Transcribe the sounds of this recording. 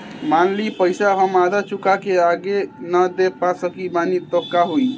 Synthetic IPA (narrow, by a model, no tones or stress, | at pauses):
manlipəjsaɦəmad̪at͡ʃukakeaɡenəd̪epasəkibanit̪əkːaɦuj